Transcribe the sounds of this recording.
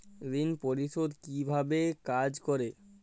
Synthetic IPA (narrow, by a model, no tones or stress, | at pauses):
ɾinpoɾiʃod̪kibʱabekad͡ʑkoɾe